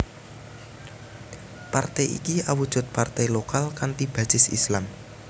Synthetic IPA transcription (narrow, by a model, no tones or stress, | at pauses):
part̪ɛjḭkiʔawud̥ʒ̥ʊ̤t̪̚part̪ɛjlokalkant̪ib̥ä̤sɪsḭslam